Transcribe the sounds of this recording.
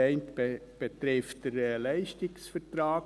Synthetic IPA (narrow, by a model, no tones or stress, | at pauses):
ɛɪntbe | b̥etɾɪftd̥əɾlɛɪʃtɪksfəɾtɾaːk